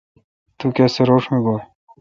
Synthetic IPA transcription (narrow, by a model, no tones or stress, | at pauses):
t̪ukeseɾoːʂmeɡoː